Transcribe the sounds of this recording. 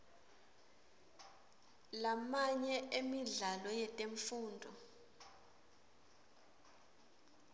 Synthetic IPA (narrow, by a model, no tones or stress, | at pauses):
lamaɲɛʔemiɮalɔjɛtʼeɱfuːndʱɔ